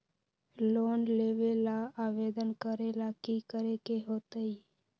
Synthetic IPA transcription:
loːnleːʋeːlaːaːʋeːd̪ənkəɾeːlaːkiːkəɾekeɦoːt̪əiː

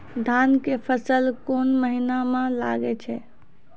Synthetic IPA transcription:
d̪ʱankepʰəsəlkonməɦinamãla̰ɡɛt͡ʃʰɛ

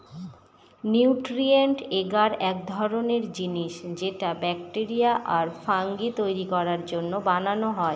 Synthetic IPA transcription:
niwʈɾieɳʈeɡaɾɛk̚d̪ʱɔɾoneɾd͡ʑiniʃd͡ʑeʈabɛkʈeɾijaʔaɾfaŋɡit̪ojɾikɔɾaɾd͡ʑonːobananoɦɔe

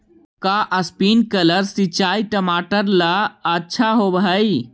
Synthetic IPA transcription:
kaʔəspinkələɾsit͡ʃaːiʈəmaːʈəɾlaətːʃʰaɦobɦəj

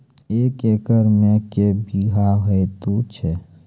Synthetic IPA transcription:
eːkeːkəɾmẽkebiɦaɦoet̪ut͡ʃʰe

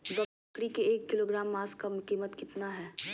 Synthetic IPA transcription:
ɡɐ | kɽikeeːkːɪloːɡɾaːmːaːskamkiːmət̪kɪt̪naɦɛː

